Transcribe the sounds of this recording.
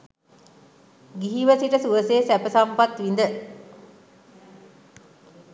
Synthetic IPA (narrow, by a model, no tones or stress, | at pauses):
ɡiɦiʋəsiʈəsuʋəseːsæpəsampat̪ʋind̪ə